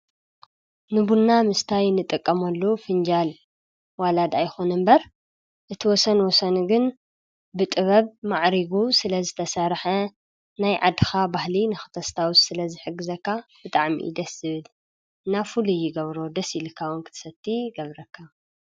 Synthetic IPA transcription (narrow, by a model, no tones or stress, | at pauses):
nɨbunːamɨst̪ʰajnɨt̪ʼɨkʼːɐmɐlːofɨnd͡ʒal | walad̪ajxonɨmbɐɾ | ʔɨt̪ʰiwɔsɐnwɔsɐnuɡɨn | bɨt̪ʼɨβɐβmaʕɾiɡusɨlɐzɨt̪ʰɐsaɾħɐ | najʕad̪ɨxabahlinɨxɨ̥t̪ʰɐst̪ʰawussɨlɐzɨħɨɡːɨzɐkʰːab̥ɨt̪ʼaʕmḭd̪ɐszɨβɨl | ɨnːafulujɪɡɐβɾo̞d̪ɐsilɨkʰːawunkʰɨ̥t̪ʰɨ̥sɐt̪ʰːiɡɐβɾɐkʰːa